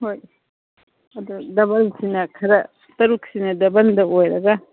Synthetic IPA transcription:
hoj | ɐd̪udɐbɐlsinɐkʰɐɾɐ | t̪ɐɾuksinɐdɐbɐnd̪ɐojɾɐɡɐ

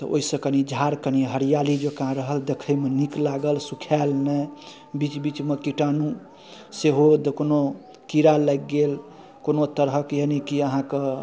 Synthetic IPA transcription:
t̪ɔʔo̰isə̃kənid͡ʒʱaɾkəniɦəɾijalid͡ʒokãɾəɦəld̪ekʰəjmeniklaɡəlsukʰalnə | bit͡ʃbit͡ʃmekiʈanũ | seɦod̪ekono | kiɾaləjkːɡel | konot̪əɾɦəkjenikiəɦãkə

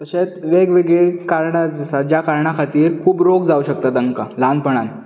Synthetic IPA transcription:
t̪əɕet̪ʋeɡʋeɡɭekaɾɳad͡zəsad͡ʑjakaɾɳakʰat̪iːɾkʰuːbɾoɡd͡zauɕək̚t̪ad̪əŋkaland̪pəɽ̃an

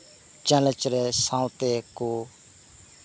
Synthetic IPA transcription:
t͡ʃɛːlə̃t͡ʃɾɛːsãːũt̪ekoː

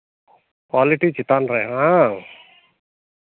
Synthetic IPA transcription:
kwaːliʈit͡ʃit̪anɾea

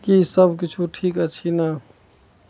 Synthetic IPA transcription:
kisəbkit͡ʃʰuʈʰiːkət͡ʃʰina

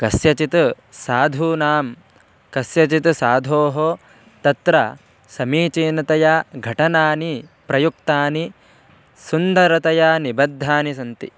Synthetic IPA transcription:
kɐsjɐt͡ʃit̪ | saːd̪ʱuːnaːm | kɐsjɐt͡ʃit̪usaːd̪ʱoːɦo | t̪ɐt̪ɾɐ | sɐmiːt͡ʃiːnɐt̪ɐjaɡʱɐʈɐnaːnipɾɐjuk̚t̪aːni | sund̪ɐɾɐt̪ɐjanibɐd̪ʱːaːnisɐnt̪ḭ

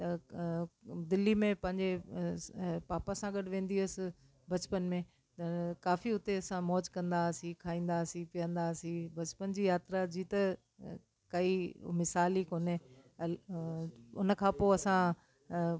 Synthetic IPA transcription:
t̪ɐ | d̪ɪlːimẽpɐ̃ɦɪ̃ɲd͡ʑe | paːpasãɡɐɽʋẽːn̆d̪iɐsɪ̆ | bɐt͡ɕpənmẽ | t̪ɐkaːfiʊt̪eɐsãmɔːd͡ʑkɐ̃nd̪asĩkʰaːĩːnd̪aːsĩpijə̃nd̪asĩbɐt͡ɕpənd͡ʑiːjaːt̪ɾad͡ʑiːt̪ɐ | kɐimɪsaːlikoːne | ʊ̰nəkʰãpoːɐsã

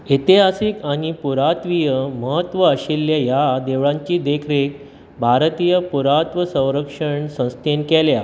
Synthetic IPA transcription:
it̪iɦasikaɽ̃ipuɾat̪ʋijəməɦət̪ʋəːɕilːjajad̪eʋɭãɲt͡ɕiːd̪ekʰɾek̚ | bʱaɾt̪ijəpuɾat̪ʋəsə̃w̃ɾəkʂəɳsə̃w̃st̪ʰenkelja

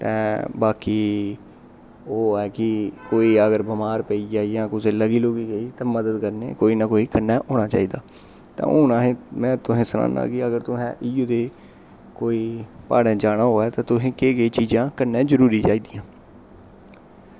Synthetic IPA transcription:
t̪ɛ̰ːbaːkiː | oːɛːkɪkoːiːəɡəɾbəmaːɾpəiːd͡ʒaːijãːkʊsẽːləɡiːloːɡiːɡeiːt̪ɛ̃ːməd̪əd̪kəɾnḛːkoːiːnaːkoːiːkənːɛːʔoːɳaːt͡ʃa̰ːiːd̪aː | t̪ã̰ːoːnaːɦẽmɛ̃ːt̪ʊẽːsəna̰ːna̰ːkɪəɡəɾt̪ʊsɛ̃ːʔiːjuːd̪eː | koːiːpa̰ːɽẽːd͡ʒaːɽaːɦoːɛːt̪ãːt̪ʊsẽːkeːɡeiːt͡ʃiːd͡ʒãːkənːẽːzəɾuːɾiːt͡ʃaːiːd̪ijãː

